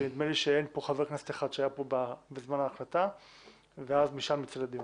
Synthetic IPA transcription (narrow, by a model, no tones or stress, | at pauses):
enid̪meliʃeenpo̞χaveʁknast̪iaχad̪ʃeajapo̞bebezmanaːχlat̪a | veazmiʃamːit͡slad̪im